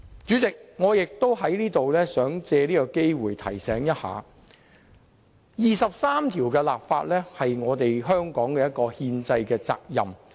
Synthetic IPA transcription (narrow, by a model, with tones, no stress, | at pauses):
t͡ʃyː˨˥t͡sɪ˨k̚ŋɔː˨˧jɪ˨k̚t̪o˥whɐ˨˥jliː˥t̪o˨wlɛː˥sœː˨˥ŋt͡sɛː˧liː˥kɔ˧ke˥jwuː˨jt̪ʰɐ̰˨˩jsɛː˨˥ŋjɐ˥t̚ha̰ː˨˧ | jiː˨sɐ˨p̚saː˥mt̪ʰiː˨˩wkɛː˧la̰ː˨pfa̰ː˧t̚lɛː˥hɐ˨jŋɔː˨˧t̪e˨jɦœː˥ŋkɔː˨˥ŋkɛː˧jɐ˥t̚kɔː˧hiː˧nt͡sɐ˧jkɛː˧t͡sa̰ː˧k̚jɐ̰˨m